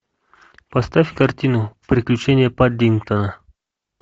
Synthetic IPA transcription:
pɐst̪afʲkɐrtʲinʊpɾʲɪklʲʉt͡ɕenʲɪjəpad̪ʲiŋkt̪ənə

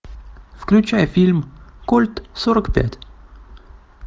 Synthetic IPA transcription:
fklʲʉt͡ɕæjəfʲilʲmkulʲt̪soɾəkpʲæ̰tʲ

